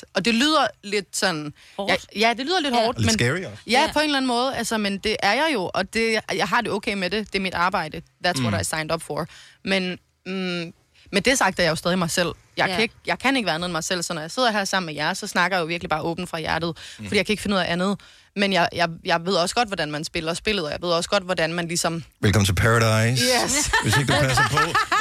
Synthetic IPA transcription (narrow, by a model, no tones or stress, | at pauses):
ɒ̽d̥e̝lyːð̞̰ˠɐle̝d̥sɒ̽n̰̩ | ɑjæd̥e̝lyːð̰ˠɐle̝d̥hɒːd̥menjæpʰɒe̝nlæn̩mɔ̽ːð̞̩ˠælsɐmend̥e̝ʔæɐjɑ̈ɪjo̝ʔɒ̽d̥e̝jɑ̈ɪɦɑ̈d̥e̝ɔ̽ʊkʰeɪmede̝d̥e̝æɐmid̥ɑ̈ːb̥ɑ̈ɪ̰d̥əʋæɐt͡sʰʁɔ̰ɐɾɑ̈ɪæɐsɑ̈ɪnd̥ɒ̽b̥fɒmen | mend̥esɑ̈ɡ̥̚d̥ɐjɑ̈jo̝sd̥ɛðˠimɑ̈ɪsel̰ | jɑ̈ɪæeɡ̥̚jɑ̈ɪkʰæneɡəʋæɐnoðˠɐmɑ̈ɪsel̰sɒ̽nːɒjɑ̈ɪse̝ð̞̰ˠɐɦæɐsɑ̈m̰n̩mejæɐsɒ̽snɑ̈ɡ̥ɐjajoʋiɐɡ̥lib̥ɑ̈ːʔɔ̽ːb̥n̩fʁɑ̈jæɐd̥ð̞̩ˠfɒ̽diːjaɪkʰæeɡ̥fenuð̰ˠæʔænð̞̩ˠ | menjɑ̈ɪjɑ̈ɪjɑ̈ɪʋe̝ð̞̰ˠɒ̽sə̥ɡ̥ɒ̽d̥ʋɒdænmænsb̥e̝l̰ɐsb̥e̝ləð̩ˠɒjäʋe̝ð̞̰ˠɒ̽sə̥ɡ̥ɒ̽d̥ʋɒdænmænlisɒ̽mʋelkʰɒm̩ʰlpʰæɹɐɾɑɪseʋeseɡəd̥upʰæsɐpʰɔ